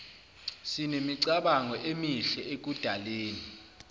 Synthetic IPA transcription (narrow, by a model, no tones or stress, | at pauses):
sinemiǀaɓaŋɔʔemiɬɛek̬ud̥ʱaleːni